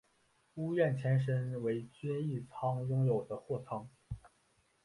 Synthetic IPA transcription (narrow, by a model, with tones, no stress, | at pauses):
u˥ɥɛ˥˩nt͡ɕʰjɛ˧˥nʂ̬ə˥nwe˧˥ɪt͡ɕi˥ni˥˩t͡sʰɑ˥ŋjʊ˥ŋjo˨˩ʊd̪ə˦xwɔ˥˩t͡sʰɑ˥ŋ